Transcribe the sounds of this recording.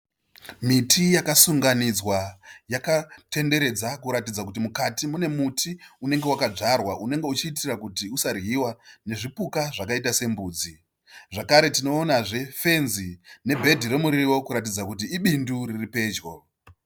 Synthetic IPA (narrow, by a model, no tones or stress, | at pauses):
mitʰijakasuŋɡanid͡zwajakate̞nde̞ɾe̞d͡zakuɾatid͡zakutimukatimune̞mutʰiune̞ŋɡe̞wakad͡ʐarwaʔune̞ŋɡe̞ut͡ʃiːt̬irakutiusarɣiwane̞ʐipukaʐakait̬ase̞mbuːd͡zi | ʐakaɾe̞tino̞ːnaʐe̞fe̞nzine̞bʱe̞dʱiɾe̞muɾiwo̞kuɾat̬id͡zakut̬iiɓinduriripe̞ːd͡ʒɡo̞